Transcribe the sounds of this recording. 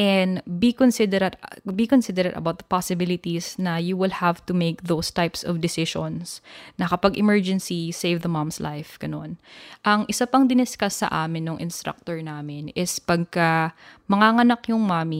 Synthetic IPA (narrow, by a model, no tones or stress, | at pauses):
ʔɛnd̪bikonsɪd̪ɛɾɐd̪bikonsɪd̪ɛɾɛd̪ɐ̰bawt̪̚pasɪbɪlɪt̪isnɐjuwɪlhavt̪ʊmeɪk̚ðowst̪ajpsɔvd̪ɪsɪʃɔ̃nsnɐkɐpɐɡʔɪmɛɹd͡ʒɛnsisejvðɐmamslʔa̰jfɡ̥ɐno̞nʔɐŋʔɪsapɐŋd̪ɪnɛskasɐ̰ʔaːmɪnːoŋʔɪ̰nst̪ɾa̰k̚t̪oɹnaːmɪnɪspɐɡ̚kamɐŋaŋɐnɐkjʊŋmaːmi